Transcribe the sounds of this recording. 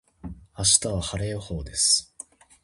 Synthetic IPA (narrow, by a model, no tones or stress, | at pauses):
aɕi̥t̪aβahaɾe̞ːho̞ːd̪e̞sɨ̥